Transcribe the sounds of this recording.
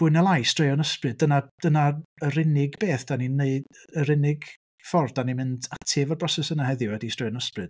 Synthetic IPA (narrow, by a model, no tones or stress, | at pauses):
b̥ʊɨnɛlˠajstrejɔnəsprɨd̚ənad̥ənaərɪnɪɡbeːθd̥anineɨd | əɾɪnɪɡ̥ | fɔrd̥animɪndatʰevərbrɔsɛsənaɦɛðjʊwɛdistrejɔnəsprɨd̥